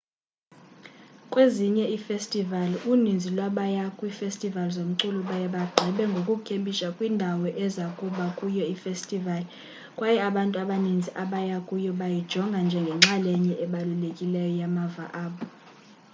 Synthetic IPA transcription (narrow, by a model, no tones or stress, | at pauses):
kʼweziɲɛifestʼivalunind͡zʱilwaɓajakʼwifestʼivalzom̩ǀuluɓajɛɓaɡ͡ǃʱɛɓɛŋɡʱokʼukʰemɓʼiʃakʼwindʱawɔʔɛzakʼuɓakʼujɔifestʼivali | kʼwajɛaɓantʼuaɓanind͡zʱiʔaɓajakʼujɔɓajid̥ʒ̥ʱɔŋɡʱand͡ʒʱɛŋɡʱɛŋ͡ǁalɛɲɛʔɛɓalulekʼilɛjɔjamava̰ʔaːɓɔ